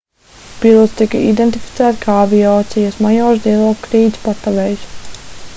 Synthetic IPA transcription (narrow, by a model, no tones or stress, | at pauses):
pilˠɔt̪st̪ikaḭd̪ɛnt̪ifit̪sæːt̪kʰaːavijɔːt̪sijasmajɔːʒd̪iɛlˠɔːkkɾiːd̪zʲpat̪aʋɛːjs